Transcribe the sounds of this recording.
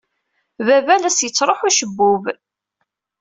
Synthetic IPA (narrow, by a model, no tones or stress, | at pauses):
vævælæsjət͡sːɾˤoħuʃəbːʊv